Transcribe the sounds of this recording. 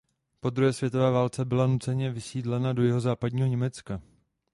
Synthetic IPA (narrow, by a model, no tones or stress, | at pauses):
po̞d̪ɾuɦɛːsvjɛt̪ovɛːvaːlt͡sɛbɪlanut͡sɛɲɛvɪsiːdlɛnado̞jɪɦo̞zaːpadɲiːɦoɲɛmɛt͡ska